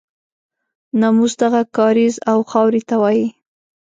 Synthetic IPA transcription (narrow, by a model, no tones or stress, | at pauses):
namusd̪aɣakɑɾizawxɑwɾit̪awɑji